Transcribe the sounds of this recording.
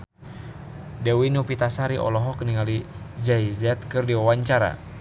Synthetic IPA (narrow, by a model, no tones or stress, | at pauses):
dɛwinupit̪asaɾiʔɔ̰lɔɦɔkniŋalid͡ʒajzɛt̪̚kɨrdiwawaɲt͡ʃaɾa̰